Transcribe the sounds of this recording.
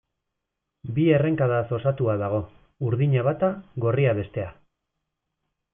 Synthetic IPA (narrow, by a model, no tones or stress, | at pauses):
bie̞re̞ŋkaðaso̞sat̪uaðaɣ̞o̞ | uɾðiɲaβat̪aɣo̞riaβe̞st̪e̞a